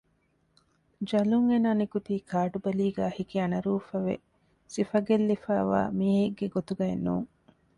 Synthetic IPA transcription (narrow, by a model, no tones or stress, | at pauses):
d͡ʒɐluŋenaːnikut̪iːkʰaːʈubɐliːɡæːhikiɐnɐɾuːfɐʋḛ | sifɐɡelːifæːʋa̰ːmiːɦeɡːeɡot̪uɡɐenːṵːŋ